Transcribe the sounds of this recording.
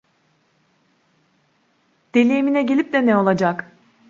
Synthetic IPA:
d̪̥e̞lʲeːminɛɟelʲip̚d̪ɛnɛo̞lˠad͡ʒak

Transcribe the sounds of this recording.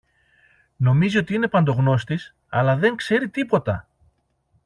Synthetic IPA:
no̞mizio̞t̪iine̞pɐnd̪o̞ɣno̞st̪is | ɐ̰lɐðe̞ŋkse̞ɾit̪ipo̞t̪ɐ̰

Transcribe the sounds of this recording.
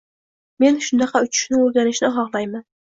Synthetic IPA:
me̞nʃʊnd̪ɑqɑʊt͡ʃʰɪ̥ʃnɪɵɾɡʲanɪʃnɪɦɒʁlˠajman

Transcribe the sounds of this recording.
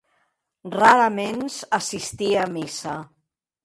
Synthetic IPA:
raɾəmenzəsist̪iəmisa

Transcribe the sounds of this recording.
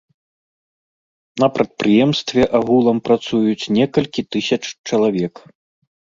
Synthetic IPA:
nɐpɾɐt̪̚pɾɨjɛmst̪vʲɛʔaɣulˠɐmpɾat̪sujut͡sʲnʲɛkɐlʲkʲit̪ɨsʲɐt͡ʂt͡ʂɐlˠavʲɛk

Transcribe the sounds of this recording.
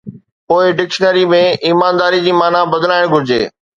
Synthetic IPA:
poːɪɖɪkʃənəɾimẽiːmaːnd̪aːɾid͡ʑiːmaːnabɐd̪əlaːɪɽ̃ɡʱʊɾɪd͡ʑḛː

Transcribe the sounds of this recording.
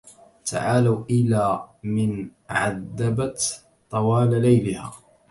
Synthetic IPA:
t̪ʰa̰ʕaːlawʔɪlaːmɪnʕa̰ðːabat̪ | t̪ˤɑwaːlalajlɪha̰ː

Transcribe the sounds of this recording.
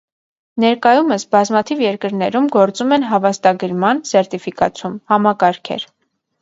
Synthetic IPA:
nɛɾkɑjuməsbɑzmɑt̪ʰivjɛɾkəɾnɛɾumɡɔɾt͡sumɛnɦɑvɑst̪ɑɡəɾmɑnsɛɾt̪ifikɑt͡sʰumhɑmɑkɑɾkʰɛ̰ɾ

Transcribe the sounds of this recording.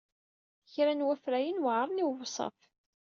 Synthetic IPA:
çɾænwæfɾæjənwʕɾˤniwvsˤɑ̰f

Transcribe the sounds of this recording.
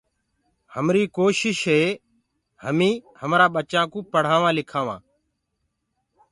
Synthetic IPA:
həmɾiːkoːʃɪʃɦeː | həmĩːhəmɾaːɓət͡ʃãːkũːpəɽ̤aːʋãːlɪkʰaːʋã̰ː

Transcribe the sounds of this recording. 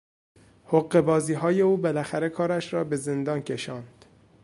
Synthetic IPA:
hoɣe̞bɒːziːɦɒːje̞uːbelæxæɾe̞kʰɒːɾæʃɾɒːbe̞zend̪ɒːncʲʰe̞ʃɒːnd̪̥

